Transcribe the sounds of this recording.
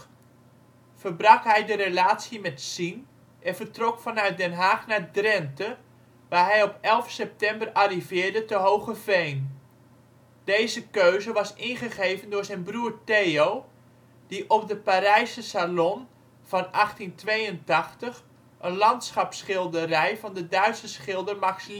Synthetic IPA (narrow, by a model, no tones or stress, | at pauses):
fərbrɑkɦɛjdəɾelaːtsimɛtsin | ʔɛnvərtrɔkfɑnœɥt̚dɛnɦaːχnadrɛntə | ʋaːɦɛjɔpɛlˠfsɛp̚tɛmbərarivɪːɹdətəɦowχəvejn | d̥ejzəkøɥzəʋɑsɪnχəɣejvəndʊːɹzɛjnbruːrtejow | d̥iʔɔpdəpaɾɛjsəsalɔn | v̥ɑnʔɑχtintʋejəntɑχtəχ | ʔənlɑntsχɑpsχɪlˠdərɛjvɑndədœɥtsəsχɪlˠdərmaks